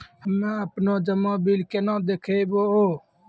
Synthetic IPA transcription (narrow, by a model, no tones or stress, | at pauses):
ɦəmãːəpnoːd͡ʒəmõːbiːlkenãːd̪eːkʰeːboːɦoː